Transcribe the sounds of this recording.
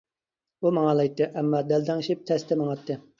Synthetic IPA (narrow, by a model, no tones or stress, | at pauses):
umɑŋɑlˠɑjt̪ːɨʔɛmːɑːd̪æld̪ɛŋʃɪp̚t̪ʰɛst̪ʰɛmɑŋɑt̪ʰːɨ